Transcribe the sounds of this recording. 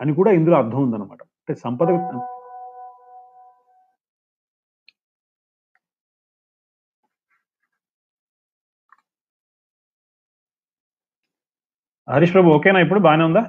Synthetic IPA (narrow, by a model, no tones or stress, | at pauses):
ɐnikuːɽaːind̪uloːɐɾd̪ʱɐmund̪ɐnːɐma̰ːʈɐɐɳʈːesɐmpɐd̪ɐkɐ | ɦɐɾiʂpɾɐbuoːkeːnaːip̬ːuɽubaːneund̪aː